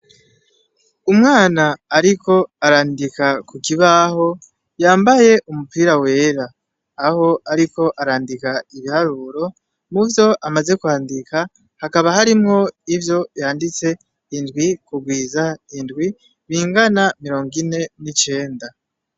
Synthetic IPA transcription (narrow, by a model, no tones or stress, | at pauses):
umŋaːnaːɾikʰo̞aɾaːndikakukiβaːho̞ | jaːmbaje̞ʔumupiːɾawe̞ːɾaː | ho̞aɾiko̞ʔaɾaːndikaiβihaɾuːɾo̞ | muvjo̞ʔamaze̞kuhaːndika | hakaβahaɾimŋo̞ivjo̞jaːndit͡se̞ | indɡwikuɡwiːzaindɡwi | βiːŋɡanamiɾo̞ːŋɡine̞nit͡ʃe̞ːnda